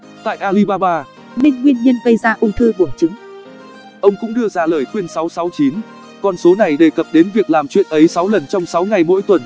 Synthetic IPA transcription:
t̪a̰ː˧˨jʔaː˧li˧ɓaː˧ɓaː˧ | ni˧ŋŋwi˧ənɲə˧nɣə˧jzaː˧ʔʊ˧ŋ͡mt̪ʰɨ˧ɓu˧˩ənt͡ɕʊ˨˦ŋ͡m | ʔə˧wŋ͡mkʊ̰˧˥ŋ͡mɗɨ˧əzaː˧ləː˧˩jxwi˧ənsa˨˦wsa˨˦wt͡ɕi˨˦n | kɔ˧nso˨˦na˨˩jɗe˨˩kə˨˩p̚ɗe˨˦nvi˨˩ək̚laː˨˩mt͡ɕwḭ˧˨ənʔə˨˦jsa˨˦wlə˨˩nt͡ɕɔ˧wŋ͡msa˨˦wŋa˨˩jmo̰˧˥jt̪wə˨˩n

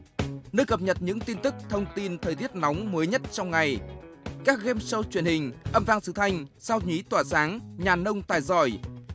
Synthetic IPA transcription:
nəː˧jkə˨˩p̚ɲə˨˩t̚ɲɨ̰˧˥ŋt̪i˧nt̪ɨ˦˥k̚t̪ʰə˧wŋ͡mt̪i˧nt̪ʰəː˨˩jt̪i˦˥ət̚nɔ˨˦wŋ͡mməː˨˦jɲə˦˥t̚t͡ɕɔ˧wŋ͡mŋa˨˩j | kaː˦˥k̚ɣɛ˧msə˧wt͡ɕwi˧˩ənhï˨˩ŋ̟ʔə˧mvaː˧ŋsɨ˨˧˦t̪ʰa˧jŋ̟saː˧wɲi˨˦t̪waː˧˩saː˨˦ŋɲaː˨˩nə˧wŋ͡mt̪aː˨˩jzɔ˧˩j

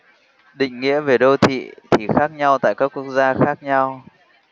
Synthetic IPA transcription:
ɗḭ̈˧˨ŋ̟ŋḭ˧˥əve˨˩ɗo˧t̪ʰḭ˧˨t̪ʰi˨˩xaː˦˥k̚ɲa˧wt̪a̰ː˧˨jkaː˦˥kːu˦˥ək̚zaː˧xaː˦˥k̚ɲa˧w

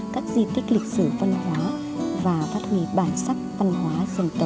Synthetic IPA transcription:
kaː˦˥k̚zi˧t̪i˦˥k̟̚lï˨˩k̚sɨ˧˩və˧nhwaː˨˦ | vaː˨˩faː˦˥t̚hwi˧˩ɓaː˧˩nsaː˦˥k̚və˧nɦwaː˨˦zi˧ŋt̪ə˨˧˩

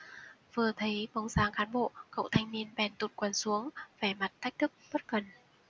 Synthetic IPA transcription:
vɨ˨˩ət̪ʰə˨˦jɓə˨˧˩wzaː˧ŋxaː˨˦nɓo̰˧˨kə̰˧˨wt̪ʰa˧jŋ̟ni˧ənɓɛ˧˩nt̪u˨˩t̚kwa˨˧˩nsu˨˦əŋvɛ˧˩ma˨˩t̚t̪ʰa˦˥k̟̚t̪ʰɨ˦˥k̚ɓə˦˥t̚kə˨˩n

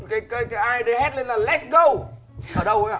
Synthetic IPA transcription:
kaː˨˦jkaː˨˦jkaː˨˦jʔaː˧jɗe˨˦hɛ˦˥t̚le˧nlaː˨˩lɛ˦˥tsɡo˧w | ʔəː˨˩ɗə˧wʔa˨˦˨

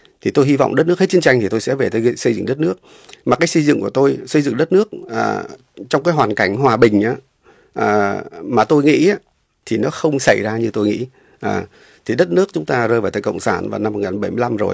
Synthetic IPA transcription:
t̪ʰi˨˩t̪o˧jɦi˧va̰˧˨wŋ͡mɗə˦˥t̚nɨ˦˥əkhe˦˥t̚t͡ɕə˦nt͡ɕa˧ŋ̟t̪i˨˩t̪o˧jsɛ̰˧˥ve˨˩t̪ʰə˧sə˧jzɨ̰˧˨ŋɗə˦˥t̚nɨ˦˥ək̚ | maː˨˩kaː˨˦jsə˧jzɨ̰˧˨ŋku˧˩ət̪o˧jsə˧zɨ̰˧˨ŋɗə˦˥t̚nɨ˦˥ək̚ʔəː˨˩ | t͡ɕɔ˧wŋ͡mkaː˨˦jɦwaː˨˩nka˧˩jŋ̟ɦwaː˨˩ɓï˨˩ŋ̟ʔaː˨˦ | ʔəː˨˩maː˨˩t̪o˧jŋḭ˧˥a˨˦ | t̪ʰi˨˩nɔ˨˦xə˧wŋ͡msa˧˩jzaː˧ɲɨ˧t̪o˧jŋḭ˧˥ | ʔəː˨˩ | t̪ʰi˨˩ɗə˦˥t̚nɨ˦˥ək̚t͡ɕʊ˨˦ŋ͡mt̪aː˧zəː˧jvaː˨˩t̪ʰəː˧˩kə̰˧˨wŋ͡msaː˧˩nvaː˨˩na˧mo˨˩ŋaː˨˩nɓə˧˩jmɨ˧˦la˧mzo̰˨˩j

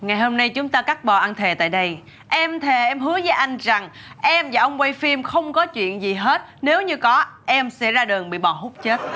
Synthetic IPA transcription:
ŋa˨˩jho˧mna˧jt͡ɕʊ˨˦ŋ͡mt̪aː˧ka˦˥k̚ɓɔ˨˩ʔaː˧nt̪ʰe˨˩t̪a̰ː˧˨jɗə˧j | ʔɛ˧mt̪ʰe˨˩ʔɛ˧mɦɨ˨˦əzəː˨˦jʔa˧jŋ̟za˨˩ŋʔɛ˧mvaː˨˩ʔə˧wŋ͡mwe˧jfi˧mxə˧wŋ͡mkɔ˨˦t͡ɕwḭ˧˨ənzi˨˩ɦe˦˥t̚ne˨˦wɲɨ˧kɔ˨˦ʔɛ˧msɛ̰˧˥zaː˧ɗɨ˨˩əŋɓḭ˧˨ɓɔ˨˩ɦʊ˦˥k͡p̚t͡ɕe˦˥t̚

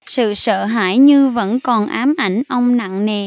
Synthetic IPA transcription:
sɨ̰˧˨sə̰ː˧˨ɦa̰ː˧˥jɲɨ˧və̰˧˥nkɔ˨˩nʔaː˨˦mʔa˧˩jŋ̟ʔə˧wŋ͡mna̰˧˨ŋne˨˩

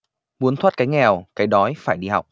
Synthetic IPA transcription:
mu˨˦ənt̪ʰwaː˦˥t̚kaː˨˦jŋɛ˨˩wkaː˨˦jɗɔ˨˦jfaː˧˩jɗi˧ha˨˩wk͡p̚

